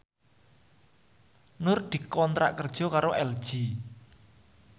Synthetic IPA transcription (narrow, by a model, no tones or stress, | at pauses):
nʊrd̪̥i̤kɔnt̪ɾa̰ʔkərd̥ʒ̥ɔ̤kaɾoʔɛld̥ʒ̥i